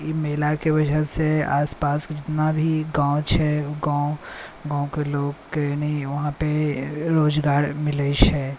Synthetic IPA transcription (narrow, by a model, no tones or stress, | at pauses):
meːlakebɐd͡ʒʱɛsea̰ːspaːskd͡ʒɪt̪nabʱiɡãːõt͡ʃʰɛɡãːõɡãːõkeloːɡkeːniʋɐɦãpeɾoːd͡ʒɡaːɾmɪləʃɛː